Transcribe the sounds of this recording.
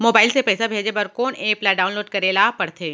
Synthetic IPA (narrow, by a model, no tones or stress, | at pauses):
moːbaːɪlsepɛːsabʱeːd͡ʒebɐɾkoːneːplaɖaːʊnloːɖkɐɾeːlapɐɽt̪ʰeː